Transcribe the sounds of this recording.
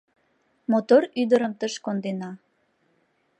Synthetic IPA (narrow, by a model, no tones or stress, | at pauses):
mot̪oryd̪əɾəmt̪əʃkond̪enɑ